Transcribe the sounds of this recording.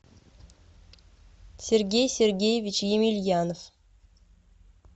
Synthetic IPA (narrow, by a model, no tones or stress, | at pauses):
sʲerɡʲejsʲerʲɡʲejevʲit͡ɕjemʲilʲjɑnof